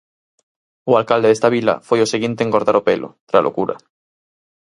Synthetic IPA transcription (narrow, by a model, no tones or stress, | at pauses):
ualkald̪eðest̪aβ̞ila̰fojoseɣint̪eŋɡoɾðaɾopelʔo̰t̪ɾalʔo̰kuɾa̰